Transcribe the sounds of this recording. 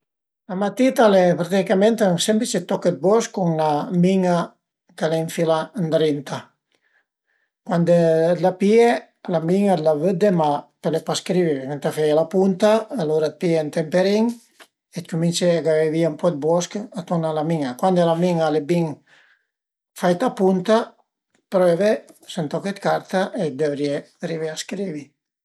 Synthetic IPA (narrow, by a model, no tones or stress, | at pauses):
lamat̪it̪alepɾat̪ikamẽnt̪aŋsɛmpet͡ʃet̪ːɔket̪̚bɔskːuŋnamiŋa | kaleiɱfiland̪ɾint̪a | kwand̪elapie | lamiŋad̪lavəd̪emapelepaskɾiβiβekent̪afɛjalapunt̪aːloɾat̪̚pient̪empeɾiŋ | et̪kuminseaɡaveviaumpɔd̪̚bɔskat̪uɾnalamiŋakwand̪elamiŋalebiŋ | fajt̪apunt̪a | pɾɛvesent̪ɔket̪kaɾt̪aʔed̪evɾie | ariveaskɾivi